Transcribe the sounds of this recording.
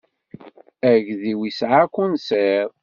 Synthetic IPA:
æʝðiwisʕakʷːunseɾ

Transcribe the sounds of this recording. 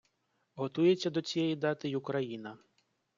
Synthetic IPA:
ɣɔt̪ujɛt͡sʲɐd̪ɔt͡sʲijɛjid̪at̪ɨjukɾajinɐ

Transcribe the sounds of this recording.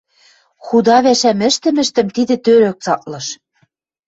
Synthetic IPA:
xud̪ɑβæʃæmɘ̆ʃt̪ɘ̆mɘ̆ʃt̪ɘ̆mt̪id̪ɘ̆t̪øɾøk̚t͡sɑk̪̚lɤ̆ʃ

